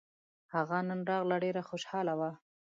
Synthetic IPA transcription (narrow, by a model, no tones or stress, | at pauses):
haɣanənɾɑɣlaɖeɾaxoʃhɑlawa